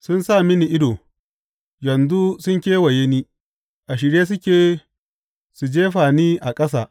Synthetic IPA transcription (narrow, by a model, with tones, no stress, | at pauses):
sʊ˦nsa˦˨mɪ˦ni˨ʔɪ˦doː˨ | jɛ˨nzu˦sʊ˦ŋkʲeː˦wa˨je˦niː˦ | ʔa˨ʃ̬ɪ˨ɽjeː˦s̬ʊ˦kʲeː˨ | su˨d͡ʒeː˦ɸaː˨niː˦ʔa˨kʼɐ˦s̬aː˨